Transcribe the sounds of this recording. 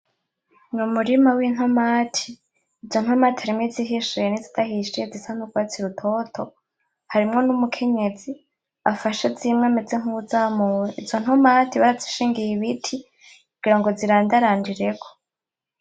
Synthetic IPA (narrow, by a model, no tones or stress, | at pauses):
numuɾimawin̥homaːtʰi̥ː | zo̞n̥homatihaɾimwiziɦiʃuenizitʰahiʃezisan̥uɡwat͡siɾutʰo̞tʰo̞ | haɾimŋo̞numukʰe̞ɲe̞zi | afaʃezimŋameziŋ̥huzamuweʔizo̞n̥homatiβaɾazi̥ʃiːŋɡijiβitʰi | kuɡ̥iɾaŋɡo̞ziɾaːndaɾaːndiɾe̞kʰo̥